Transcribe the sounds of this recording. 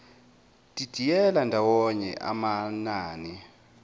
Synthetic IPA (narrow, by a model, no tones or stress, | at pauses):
tʼid̥ʱijɛlandʱawɔɲɛ̰ʔa̰manaːni